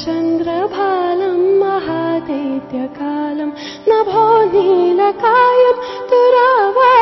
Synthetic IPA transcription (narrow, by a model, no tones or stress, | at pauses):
t͡ʃɐnd̪ɾɐbʱaːlɐmːɐɦaːd̪ɐjt̪jɐkaːlɐm | nɐbʱɔːnilɐkaːjɐmt̪uɾaʋa